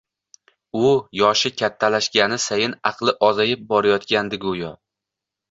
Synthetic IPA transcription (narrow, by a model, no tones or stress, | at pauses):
ʊjɒʃɪkʲʰat̪ʰːalaʃɡʲanɪsajɪnɑqlˠɪʔɒzajɪp̚bɒɾajɒt̪kʲand̪ɪɡʊjɒ